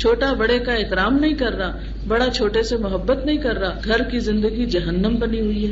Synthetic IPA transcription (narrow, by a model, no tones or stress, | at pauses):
t͡ʃʰoːʈabɐɽekaeːt̪ɪɾaːmnɐɦĩkɐɾːaː | bɐɽat͡ʃʰoːʈesemʊɦəbːət̪nɐɦĩkɐɾːaːɡʱɐɾkizɪ̃nd̪əɡid͡ʒɐɦənːəmbɐniɦʊiɦɛ